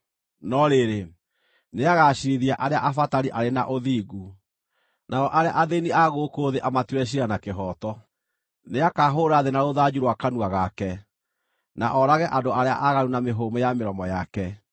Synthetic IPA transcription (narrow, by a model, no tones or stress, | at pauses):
nɔɾeɾe | neaɣaɕiɾiðiaʔaɾeaʔafataɾiʔaɾena̰ʔoðiːɡu | nʔaɔʔaɾea̰ʔaðeniaɣoːkoːðeʔamatwɛɕ̬iɾanakeɦɔtɔ | neakaɦoːɾaðenaɾoðad͡ʑuɾwakanuaɣakɛ | na̰ʔɔɾaɣɛʔandoaɾea̰ʔaɣaɾunameɦoːmojameɾɔmɔjakɛ